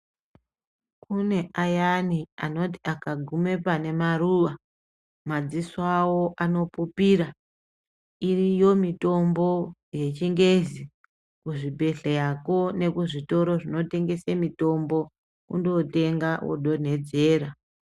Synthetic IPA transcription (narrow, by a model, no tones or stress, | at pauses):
kune̞ʔajaniano̞ti̥akaɡʱume̞pane̞maruʋa | mad͡ziswawo̞ʔano̞pupiɾa | irijo̞mito̞mbo̞je̞t͡ʃiŋɡe̞zi | kuʐibʱe̞ɬejako̞ne̞kuʐito̞ɾo̞ʐino̞te̞ŋɡe̞semito̞mbo̞ | kṵndote̞ŋɡawo̰ɗo̞n̤e̞d͡ze̞ːɾa